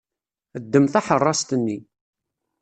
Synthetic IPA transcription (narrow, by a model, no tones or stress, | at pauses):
əd̪ːəmθaħərˤːɑst̪ənːi